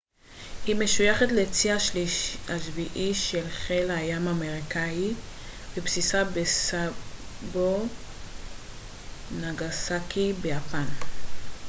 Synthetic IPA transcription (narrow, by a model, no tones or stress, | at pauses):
hime̞ʃujaχatlet͡siaʃliʃaʃviʔiʃelχelhajamameʁikaivepsisabesabo | naɡasakibejapan